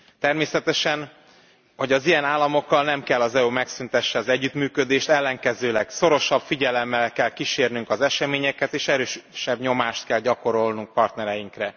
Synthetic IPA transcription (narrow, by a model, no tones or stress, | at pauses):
t̪ɛrmeːsɛt̪ɛʃɛn | ho̞ɟɒzijɛnaːlːɒmo̞kːɒlnɛmkɛlːɒzɛumɛksynt̪ɛʃːɛɒzɛɟːyt̪myːkød̪eːʃt̪ɛlːɛŋkɛzøːlɛkso̞ɾo̞ʃɒb̥fiɟɛlɛmːɛlkɛlkiʃeːrnyŋkɒzɛʃɛmeːɲɛkɛt̪eːʃɛɾøːʃʃɛbɲo̞maːʃt̪kɛlɟɒko̞ɾo̞lnuŋk̚pɒrt̪nɛɾɛjiŋkrɛ